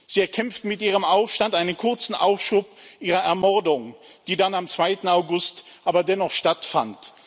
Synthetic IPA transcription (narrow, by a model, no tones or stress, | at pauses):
z̥iːɛɐkʰɛmftmɪtʔiːʁ̞əmʔaʊfʃtantʔaɪnənkʰʊɐt͡sn̩ʔa̰ʊfʃuːpʔiːʁɐɛɐmɔɐdʊŋ | d̥iːdanamt͡sv̥aɪtn̩aʊɡʊst | ʔaːbɐdɛnɔχʃtatfant